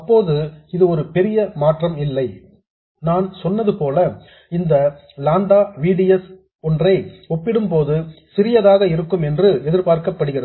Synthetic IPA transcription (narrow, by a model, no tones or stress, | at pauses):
ɐpːoːðɯɪðɯɔɾɯpɛɾɪjɐmaːʈrɐmɪlːɐɪ | naːnsɔnːɐðɯpoːlɐ | ɪnd̪ɐ | laːnd̪aːʋiːɽɪjɐs | ɔndrɐɪɔpːɪɽɯmpoːðɯsɪɾɪjɐðaːɣɐɪɾɯkːɯmɛndrɯɛðɪɾpaːɾkɐpːɐɽɯɣɪrɐðɯ